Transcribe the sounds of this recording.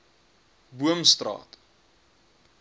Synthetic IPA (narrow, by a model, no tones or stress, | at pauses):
buəmst̪rɑ̰ːt